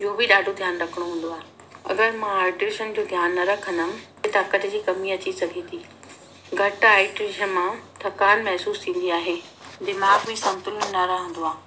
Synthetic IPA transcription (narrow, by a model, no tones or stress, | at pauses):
ɪɦobɪɗaːɖʱod̪ʱjaːnɾɐkʰəɽ̃oɦũːn̆d̪oaːɦe | ɐ̰ɡəɾmãaːɪʈɾɪʃənd͡ʑoːd̪ʱjaːnːɐɾɐkʰə̃nd̪əmɪ̆ | et̪aːkət̪d͡ʑiːkɐmiɐt͡ɕisɐɡʱẽt̪ʰiː | ɡʱɐʈaːɪʈɾiʃənmãt̪ʰɐkaːnmɛɦsuːst̪ʰĩːn̆d̪iaːɦeː | d̪ɪmaːɡbɪsɐ̃nt̪ʊlnɐɾɐɦə̃nd̪oaːɦ